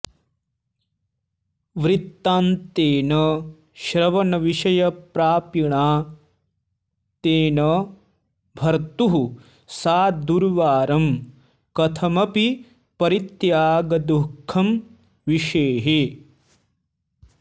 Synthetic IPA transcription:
ʋɾit̪ːaːnt̪eːnɐ | ʃɾɐʋɐnɐʋiʃɐjɐpɾaːpiɳaː | t̪eːnɐ | bʱɐɾt̪uɦu | saːd̪uɾʋaːɾɐm | kɐt̪ʰɐmɐpi | pɐɾit̪jaːɡɐd̪ukʰːɐm | ʋiʃeːɦe

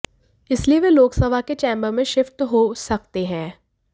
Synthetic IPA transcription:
ɪslieʋeloːksɐbʱaket͡ʃɛ̃ːmbəɾmẽʃɪft̪ɦosɐkt̪eɦɛ̃ː

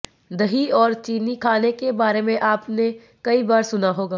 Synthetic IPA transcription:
d̪ɐɦiɔːɾt͡ʃiːnikʰaːnekebaːɾemẽʔaːpne | kɐibaːɾsʊnaɦoːɡaː

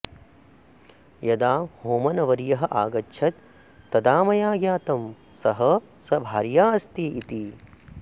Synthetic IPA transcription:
jɐd̪aːhoːmɐnɐʋɐɾjɐɦɐʔaːɡɐtːʃʰɐt̪ | t̪ːɐd̪aːmɐjaːɡjaːt̪ɐm | sɐɦɐ | sɐbʱaːɾjaːɐst̪iːʔit̪i

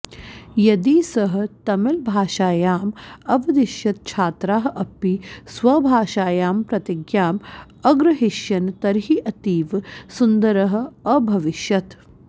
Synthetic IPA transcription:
jɐd̪iːsɐɦɐ̆t̪ɐmɪlbʱaːʃaːjaːmɐʋɐd̪iʃjɐt̪̚t͡ʃʰaːt̪ɾaːɦɐʔɐpːisʋɐbʱaːʃaːjaːmpɾɐt̪iɡjaːm | ɐɡɾɐɦiʃjɐnt̪ɐɾɦiʔɐt̪iːʋsund̪ɐɾɐɦɐ̆ɐbʱɐʋiʃjɐt̪

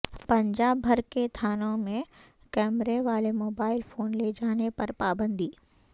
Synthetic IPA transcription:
pɐ̃ɲd͡ʒaːbːʱɐɾket̪ʰaːnõmẽ | kɛːmɾeʋaːlemoːbaːɪlfoːnled͡ʒaːnepɐɾpaːbə̃nd̪iː

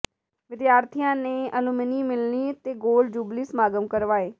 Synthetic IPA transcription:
ʋɪd̪jaːɾt̪ʰijãːnẽːəlʊməniːmɪlniːt̪eːɡoːld͡ʒuːbliːsmaːɡəmkəɾʋaːeː

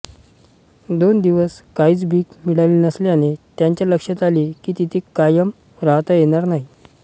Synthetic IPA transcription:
d̪ond̪iʋəskaid͡zbʱiːkmiɽalinəsleañet̪jaɲt͡ɕjaləkʂat̪alikiːt̪it̪ʰekajəm | ɾaɦt̪ajeɽ̃aɾnaɦi

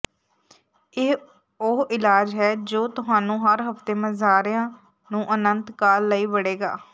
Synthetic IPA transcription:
eː | ʊɦɪlaːd͡ʒɦɛːd͡ʒoːt̪ʊɦaːnũːɦəɾɦəpt̪eːməzaːɾɪjãː | nũːʔənənt̪kaːlːəiːʋəɽeːɡa̰ː

